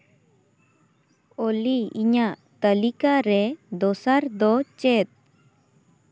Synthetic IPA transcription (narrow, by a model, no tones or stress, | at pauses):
oliiɲaʔt̪əlikaɾɛd̪ɔsaɾd̪ɔt͡ʃɛt̪̚